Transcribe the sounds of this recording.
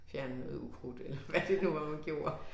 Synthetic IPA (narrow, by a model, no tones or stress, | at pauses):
fjæɐnnəðˠukʰʁud̥elɐʋæd̥e̝nuʋɑmænɡ̥jo̝ːɐ